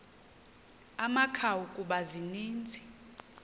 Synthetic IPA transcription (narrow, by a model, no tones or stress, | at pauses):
amakʰawukʼuɓaziniːnd͡zʱi